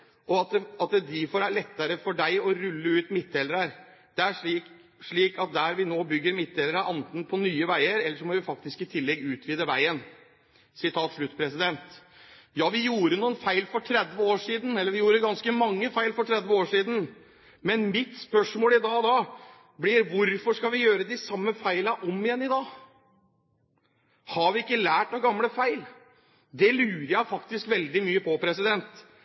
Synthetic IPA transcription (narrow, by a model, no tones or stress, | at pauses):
ʔɔɑt̪̚d̪ɑt̪d̪ɪfoːɾælɛt̪ːəɾəfɔɖæɪɔɾʉlːəʉːt̪mɪt̪̚d̪eːləɾəɾd̪̥ɛæʂiː | ʂɭiːkɑt̪̚d̪æɾʋɪnoːbʏɡːəɾmɪt̪̚ːeːləɾəʔɑnt̪n̩pʰɔnyːəʋæɪəɾɛlːəʂɔmɔʋɪfɑkt̪ɪskɪt̪ʰɪlːɛɡʉːt̪ʰʋiːd̪əʋæɪən | sɪt̪ʰɑːt̪ʂlʉt̪ːpʰɾɛsɪd̪ɛnt̪ | jɑːʋɪjuːɾənuːənfæɪlfɔʈʰɾɛd̪ʋəoːʂiːd̪n̩ɛlːəɾʋɪjuːɾəɡɑnskəmɑŋːəfæɪlfɔʈʰɾɛd̪ʋəoːʂiːd̪n̩ | mɛnmɪt̪spœʂmoːlɪd̪ɑːd̪ɑː | blɪɾʋʊɾfɔʂkɑʋɪjøːɾəd̪ɪsɑmːəfæɪləʔɔmɪjɛnːɪd̪ɑː | hɑɾʋɪɪkːəlæːʈɑɡɑmləfæɪl | d̪ɛlʉːɾəjæɪfɑkt̪ɪskʋɛld̪ɪmyːəpʰɔpʰɾɛsɪd̪ɛnt̪